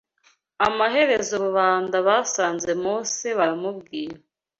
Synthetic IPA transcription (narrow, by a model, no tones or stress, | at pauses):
amaɦe̞ɾe̞zoβuβaːndaβasaːnze̞moːseβaɾamubɡiːɾa